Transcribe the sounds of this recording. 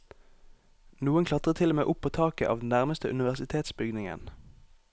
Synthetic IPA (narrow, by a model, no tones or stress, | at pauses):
nuːənkʰlɑt̪ʁət̪ʰɪlɔmeːʔʊpʰːoːt̪ʰɑːkəʔɑ̰ːʋd̪n̩næʁməst̪əʔʉnɪʋæʁsɪt̪ʰeːt̪sbʏɡnɪŋə̰n